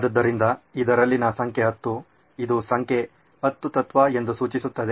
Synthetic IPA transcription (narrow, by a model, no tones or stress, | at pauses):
d̪ɐd̪ːɐɾind̪ɐid̪ɐɾɐlːinɐsɐŋkʰeɦɐt̪ːu | id̪usɐŋkʰe | ɐt̪ːut̪ɐt̪ʋae̞nd̪usuːt͡ʃisut̪ːɐd̪e